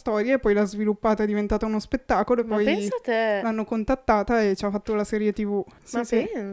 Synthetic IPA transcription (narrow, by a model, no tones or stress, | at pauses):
st̪ɔːɾjaepːɔjlazvilupːaːt̪aɛd̪ivent̪aːt̪aunospet̪ːaːkoloepːɔjst̪ɛlanːokont̪at̪ːaːt̪aet͡ʃafːat̪ːolasɛːɾjet̪ivusisi